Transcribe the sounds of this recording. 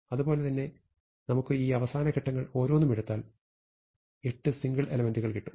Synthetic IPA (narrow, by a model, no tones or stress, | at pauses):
ɐðubo̞ːle̞t̪ɐnːe̞ | nɐmukːɨiːɐʋɐsaːnɐkeʈːɐŋːɐɭo̞ːɾo̞ːnːumeɽut̪ːaːl | e̞ʈːɨsiŋɡɐɭʔe̞lɐmenduɣɐɭkiʈːu̥m